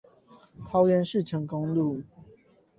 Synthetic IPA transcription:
k̪ʰɑ˨˦ʊɥɛ˨˦nʂɻ̩˥˨ʈ͡ʂʰə˨˧˥ŋkɔ˦ŋlu˥˨

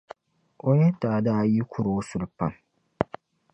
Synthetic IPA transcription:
o˦ɲɛ˦taː˨daː˦˨ji˦kʰʊ˦˨ɾo˦sʊ˨lɨ˨pa˦n

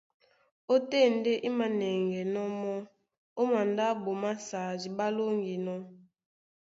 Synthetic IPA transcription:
o˦te˦˨n˦de˦ʔi˦ma˨nɛ˨ŋɡɛ˨nɔ˦mɔ˦ | o˦ma˨nda˦bo˨ma˦sa˨zi˨ba˦lo˦ŋɡi˨nɔ˦

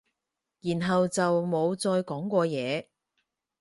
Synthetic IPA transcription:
jiː˨˩nɦɐ˨wt͡sɐ˨wmo˨˧wt͡sɔː˧jkɔː˨˥ŋkʷɔː˧jɛː˨˧

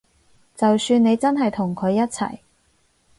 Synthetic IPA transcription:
t͡sɐ˨wsyː˧ne˨˧jt͡sɐ˥nɦɐ˨jt̪ʰʊ˨˩ŋkʰɵ˨˧ɥjɐ˥t̚t͡sʰɐ̰˨˩j

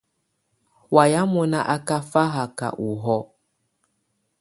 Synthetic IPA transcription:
wa˨ja˦mɔ˨na˦ʔa˦ka˦fa˦ɦa˨ka̰˨ʔu˨ɦɔ˦

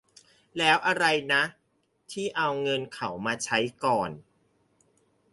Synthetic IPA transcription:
lɛː˦˥wʔa˧ɾa˧jna˦˥ | t̪ʰiː˥˩ʔa˧wŋɤ˧nkʰa˨˩wmaː˧t͡ɕʰa˦˥jkɔː˨˩n

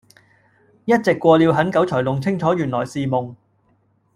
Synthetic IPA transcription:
jɐ˥t̚t͡sɪ˨kʷːwɔː˧liː˨˧wɦɐ˨˥nkɐ˨˥wt͡ʃʰɔː˨˩jlʊ˨ŋt͡sʰɪ˥ŋt͡ʃʰɔː˨˥jyː˨˩nlɔː˨˩jsiː˨˧mʊ˨ŋ

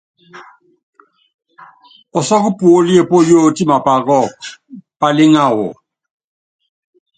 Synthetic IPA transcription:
ɔ˨sɔ˦kʊ˦pu˨o˦li˦e˦˨po˦jo˦˨ti˦ma˨pa˨ɣɔ˦˨kpa˨lɪ˦ŋa˦˨ɣʊ̰˨

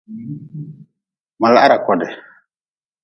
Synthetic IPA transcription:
ma˨la˨ʔa˦ɾa˨kɔ˨dɛ˨

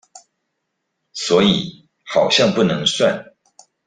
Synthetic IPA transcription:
swɔ˧˥i˨˩˦ | xɑ˨˩ʊɕjɑ˥˧ŋpu˥˩nɤ˧˥ŋswa˥˨n

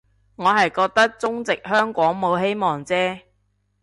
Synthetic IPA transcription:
ŋɔː˨˧ɦɐ˨jkɔː˧k̚t̪ɐ˥k̚t͡sʊ˥ŋt͡sɪ˨k̚hœː˥ŋkʷɔː˨˥ŋmo˨˧wɦe˥jmɔː˨ŋt͡sɛː˥

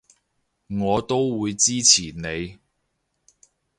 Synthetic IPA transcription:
ŋɔː˨˧t̪o˥wwuː˨˧jt͡siː˥t͡sʰiː˨˩ne˨˧j

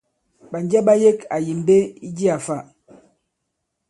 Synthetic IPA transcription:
ɓa˨nd͡ʒa˦ɓa˦je˦ka˨ji˨m˨be˦i˦d͡ʒi˦a˨fa˦˨

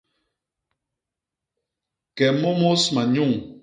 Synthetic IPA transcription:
kɛ˨mo˦mo˦sma˨ɲu˦˨ŋ

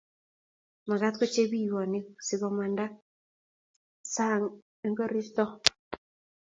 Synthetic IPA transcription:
ma˨ɡa˦t̪kɔ˦t͡ʃe˦bi˦˨wɔ˨nɪ˦sɪ˨ɡɔ˨ma˨nda˦ | sa˦ŋ˦ | ŋɡɔ˦ɾi˦st̪ɔ˦

